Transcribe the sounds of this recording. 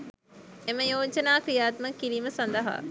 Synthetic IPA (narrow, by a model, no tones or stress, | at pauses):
eməjoːt͡ʃənaːkijaːt̪məkːiɾiːməsɐnd̪əɦa̰